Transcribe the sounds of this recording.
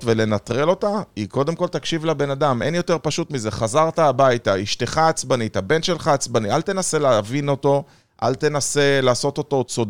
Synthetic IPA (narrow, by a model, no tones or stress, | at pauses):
tve̞le̞nat̪ʁe̞lo̞t̪aiko̞d̪emko̞lt̪akʃivlabe̞nad̪ame̞njo̞t̪e̞ʁpaʃut̪mize̞χazaʁtaːbajt̪aiʃt̪e̞χaːt͡sbanithabe̞nt̪ʃe̞lχaːt͡sbanialt̪e̞nase̞leavino̞to̞ | ʔa̰lt̪e̞nase̞laːso̞t̪o̞t̪o̞t͡sod